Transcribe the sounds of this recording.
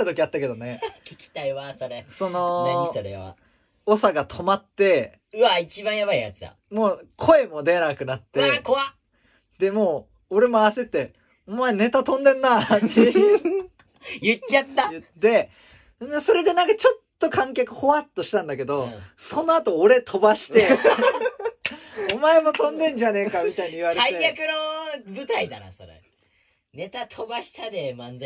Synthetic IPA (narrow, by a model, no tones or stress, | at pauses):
at̪o̞kʲiat̪ːake̞d̪one̞kekʲi̥t̪aiβasoɾeso̞no̞naisoɾḛβa̰ | osaɡat̪ʰo̞mat̪ːe̞ | ɯ̟ait͡ɕibãɰ̃jaβaija̰t͡sɨd̪a̰ | mo̞ːkʰo̞e̞mo̞d̪eɾaakɯ̟nat̪ːeakoβa | d̪̥e̞mo̞ː | oɾe̞moase̞t̪ːe̞ | omaene̞t̪at̪õ̞nd̪ẽ̞nːat̪e | jɯt͡ɕːat̪ːajɯ̟t̪ːe̞ | d̪eso̞ɾe̞d̪e̞nãŋkat͡ɕo̞t̪ːo̞kãŋk̬ʲjakɯ̟̥ho̞βat̪ːo̞ɕi̥t̪ãnd̪ake̞d̪o̞so̞no̞at̪o̞ːɾe̞t̪ʰo̞baɕi̥t̪e̞ | omae̞mo̞t̪õ̞nd̪ẽ̞ɲ̟d͡ʑane̞kamʲit̪aiɲiɨβaɾesaiejakɯ̟nobɯ̟t̪aid̪ana̰soɾa̰ | ne̞t̪at̪ʰo̞baɕi̥t̪ad̪emãnza